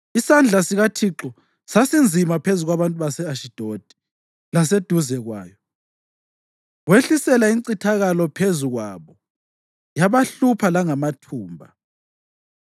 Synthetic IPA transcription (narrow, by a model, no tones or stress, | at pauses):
isand͡ɮʱasiɣatʰiǁɔ | sasind͡zʱimapʰezuɣwaβantʼuβasɛaʃid̥ʱod̥ʱi̥ | las̬ed̥ʱuzɛɣwa̰ːjɔ | weɬisɛlaiǀitʰaɣalɔpʰezuɣwaːβɔ | jaβaɬupʰalaŋamatʰuːmbʱa̰